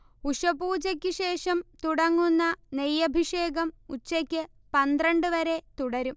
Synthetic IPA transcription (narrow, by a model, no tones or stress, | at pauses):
uʂɐbuːt͡ɕɐkʲːɨɕe̞ːʂɐmt̪uɽɐŋːunːɐnejːɐbʱiʂe̞ːɡɐmut͡ɕːɐkʲːɨ | pɐnd̪rɐɳɖɨʋɐɾe̞t̪uɽɐɾum